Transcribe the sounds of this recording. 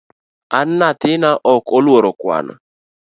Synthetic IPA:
anːat̪ɪnaʔɔkɔlwoɾɔkwa̰na̰

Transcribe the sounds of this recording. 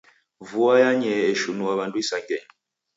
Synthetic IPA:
vuajaɲɛeʃunuaβantʼuisaŋɡɛɲ

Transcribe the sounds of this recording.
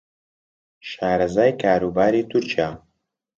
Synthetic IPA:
ʃaːɾɐzaːjkʰaːɾuːbaːɾiːt̪ʰʊɾt͡ʃijaː

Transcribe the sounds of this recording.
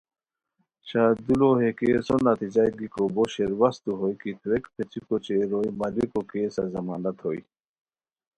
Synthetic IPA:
ɕad̪uloɦekesonːat̪id͡ʑajɡikoboɕeɾwast̪uɦojkit̪ʰwekpʰet͡ɕikot͡ɕeɾojmalikokesa̰zɐmaːnat̪hoj

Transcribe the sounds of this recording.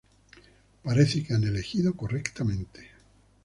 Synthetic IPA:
paɾeθekeanele̞xiðokorekt̪amẽ̞nt̪e̥

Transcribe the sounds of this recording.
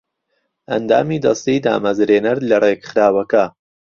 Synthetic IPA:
ʔɐ̰nd̪a̰ːmiːd̪ɐst̪iːd̪a̰ːmɐzɾeːnɐɾlɐreɡχɾaːwɐkɐ

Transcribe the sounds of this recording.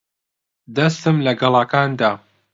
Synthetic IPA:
d̪ɐst̪ɨmlɐɡɐlˠaːkaːnd̪aː

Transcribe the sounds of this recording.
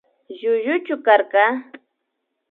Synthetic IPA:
ʒʊʒʊt͡ʃʊkaɾɢɑ

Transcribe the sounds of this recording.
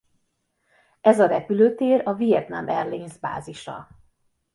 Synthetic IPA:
ɛzɒɾɛpyløːt̪eːrɒvijɛt̪namɛrleːnzba̰ːziʃɒ̰

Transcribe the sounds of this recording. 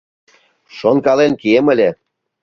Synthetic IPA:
ʃonkɑlenkiemə̆lʲe

